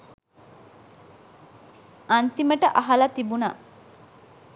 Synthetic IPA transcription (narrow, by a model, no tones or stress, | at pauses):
ɐnt̪iməʈəʔɐɦɐlɐt̪ibuna̰